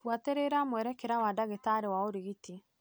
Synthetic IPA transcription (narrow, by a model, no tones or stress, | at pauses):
wateɾeɾamwɛɾɛkeɾawadaɣetaːɾewaoɾiɣiti